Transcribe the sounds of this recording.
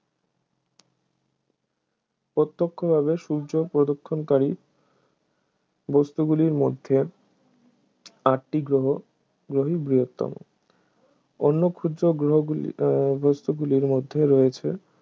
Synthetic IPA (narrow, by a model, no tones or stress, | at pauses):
pot̪ːokʰːobʱaβeʃuɾd͡ʑopɾod̪okʰːonkaɾi | bɔst̪uɡuliɾmod̪ʱːe | aʈʈiɡɾoɦo | ɡɾoɦibɾijot̪ːɔ̰mo̰ | onːokʰud̪oɡɾoɦ | bost̪uɡuliɾmod̪ʱːeɾɔjet͡ɕʰe